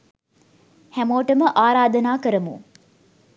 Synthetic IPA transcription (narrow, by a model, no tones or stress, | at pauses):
hæmoːʈəməʔaːɾaːd̪ənaːkəɾəmṵ